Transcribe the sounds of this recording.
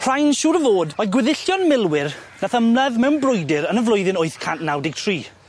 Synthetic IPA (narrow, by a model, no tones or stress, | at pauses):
pʰr̥ajnʃuːɾəvoːdɔɡwɪðɪɬjɔnmɪlˠwɪrnaθəmlɛðmɛwnbrʊjdɪɾənəvlʊjðɪnoɨθkʰanʔnawdɪɡ̚tʰriː